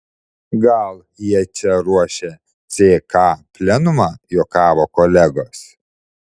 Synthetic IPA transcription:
ɡɐlˠ | jiɛt͡ʃʲɛɾuɔʃʲe | t̪sʲeːkɑːpʲlʲɛnʊmɑːjoːkɑːʋokɔlʲɛɡoːs

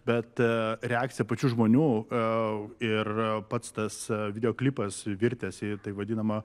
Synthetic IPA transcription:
bʲɛt̪ɾʲɛaːk̚t͡sʲsʲɪjɛpɐt͡ʃʲuːʒmoːnʲuː | ɪrpɐt̪st̪ɐsʋʲɪd̪ʲɛjoːklʲiːpɐsʋʲɪɾʲt̪ʲɛsɪt̪ɐɪʋɐd̪ʲiːnɐmɐ

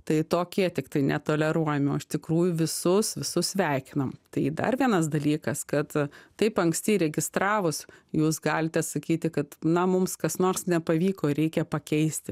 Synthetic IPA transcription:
t̪ɐɪt̪oːkʲiɛt̪ʲɪkt̪ɐɪnʲɛt̪oːlʲɛɾuɔjɛmʲɪoːɪʃt̪ʲɪkɾuːjʊʋʲɪsʊsʋʲɪsʊsssʲʋʲæɪkʲɪnɐmt̪ɐɪd̪ɐ̰rʋʲiɛnɐsd̪ɐlʲiːkɐskɐt̪t̪ɐɪpɐŋksʲt̪ʲɪɾʲɛɡʲɪst̪ɾɑːʋʊsjuːsɡɑːlʲɪt̪ʲɛsɐkʲiːt̪ʲɪkɐt̪nɐmʊmskɐsnoːrsnʲɛpɐʋʲiːkoːɾʲɛɪkʲɛpɐkʲɛɪsʲt̪ʲɪ

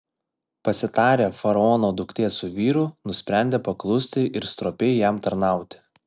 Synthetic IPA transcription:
pɐsʲɪt̪ɑːɾʲeːfɐɾɐɔːnoːd̪ʊkt̪ʲeːsʊʋʲiːɾʊnʊsʲpʲɾʲæˑnʲd̪ʲeːpɐklˠʊsʲt̪ʲɪʔɪɾst̪ɾoːpʲɛɪjɛmt̪ɐɾnɑˑʊt̪ʲɪ̥

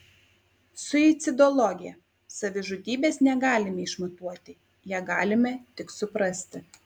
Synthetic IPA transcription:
sʊit̪sʲɪd̪ɔlˠɔɡʲɪjɛ | sɐʋʲɪʒʊd̪ʲiːbʲeːsnʲɛɡɑːlʲɪmʲɛɪʃmʊt̪uɔt̪ʲɪ | jæːɡɑːlʲɪmʲɛt̪ʲɪksʊpɾɐsʲt̪ʲɪ

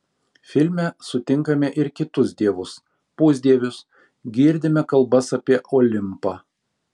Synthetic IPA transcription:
fʲɪlʲmʲɛsʊt̪ʲɪŋˑkɐmʲɛʔɪɾkʲɪt̪ʊsʲd̪ʲiɛʋʊs | pʊːzʲd̪ʲiɛʋʲʊs | ɡʲiːɾʲd̪ʲɪmʲɛkɐlˠbɐsɐpʲiɛʔoːlʲɪmpɑː

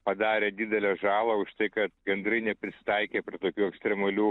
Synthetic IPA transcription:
pɐd̪ɑːɾʲeːd̪ʲiːd̪ʲɛlʲɛːʒɑːlˠɐʊʃt̪ɐɪkɐt̪ɡʲɛnd̪ɾɐɪnʲɛpʲɾʲɪsʲɪ̥t̪ɐɪkʲeːpʲɾʲiɪt̪oːkʲuːɛksʲt̪ʲɾʲɛmɐlʲuː

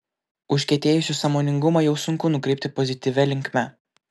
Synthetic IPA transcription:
ʊʃʲkʲɛt̪ʲeːjʊsʲusɐmoːnʲɪŋɡʊmɐjɛʊsʊŋkʊnʊkɾʲɛɪpʲt̪ʲɪpɔzʲɪt̪ʲiːʋʲɛlʲɪŋʲkmʲɛ

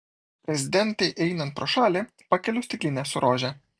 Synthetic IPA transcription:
pʲɾʲɛzʲɪd̪ʲɛnʲˑt̪ɛɪʔɛɪnɐnt̪̚pɾoːʃɑːlʲe | pɐkʲɛlʲʊsʲt̪ʲɪklʲɪnʲɛsʊɾoːʒʲɛ

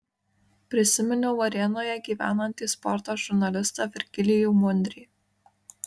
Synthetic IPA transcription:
pʲɾʲɪsʲɪmʲɛnʲʊʋɐɾʲɛnoːjɛɡʲiːʋʲæ̰ːnɐnʲt̪ʲiːspɔɾt̪oːʒʊɾnɐlʲɪst̪ɐʋʲɪɾʲɡʲɪlʲɪjumʊnʲd̪ʲɾʲiː

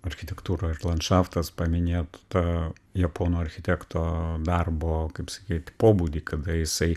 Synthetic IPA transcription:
ɐɾʲxʲɪt̪ʲɛkt̪uːɾoːɪɾlˠɐnt̪ʃɑft̪ɐspɐmʲɪnʲeːt̪t̪ɐjɐpoːnoːɐɾʲxʲɪt̪ʲæːkt̪oːd̪ɐrboːkɐɪpsɐkʲiːt̪ʲpoːbuːd̪ʲiːkɐd̪ɐjɪsɐɪ

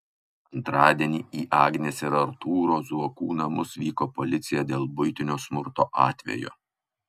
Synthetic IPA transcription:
ɐnt̪ɾɑːd̪ʲiɛnʲiːiːʔɑːɡnʲesɪɾɐɾt̪uːɾoːzuɔkuːnɐmʊsʋʲiːkoːpɔlʲɪt̪sʲɪjɛd̪ʲeːlˠbʊjt̪ʲɪnʲoːsmʊɾt̪oːʔɑːt̪ʲʋʲɛ̰jo̰ː

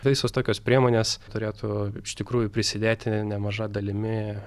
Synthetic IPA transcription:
ɪsoːst̪oːkʲoːspʲɾʲiɛmoːnʲeːst̪ʊɾʲeːt̪ʊɪʃt̪ʲɪkɾuːjʊpʲɾʲɪsʲɪd̪ʲeːt̪ʲɪnʲɛmɐʒɐd̪ɐlʲɪmʲɪ

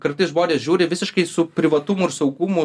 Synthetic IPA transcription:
kɐɾt̪ɐɪsʒboːdʲeːsʒʲuːɾʲɪʋʲɪsʲɪʃkɐɪsʊpʲɾʲɪʋɐt̪ʊmʊɪɾsɐʊɡʊmʊ

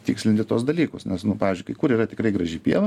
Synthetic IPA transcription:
t̪ʲɪksʲlʲɪnʲt̪ʲɪt̪uɔsd̪ɐlʲiːkʊsnʲɛsnʊpɑːʋʲɪzd͡ʒʊɪkɐɪkuɾiːrɐt̪ʲɪkrɐɪɡɾɐʒʲɪpʲiɛʋɐ

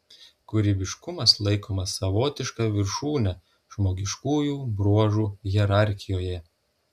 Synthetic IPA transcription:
kʊɾʲiːbʲɪʃkʊmɐslˠɐɪkʰoːmɐsɐʋoːt̪ʲɪʃkɑːʋʲɪɾʃuːnʲɛ | ʒmoːɡʲɪʃkuːjuːbɾuɔʒuːjʲɛɾɑˑɾʲxʲɪjoːjɛ

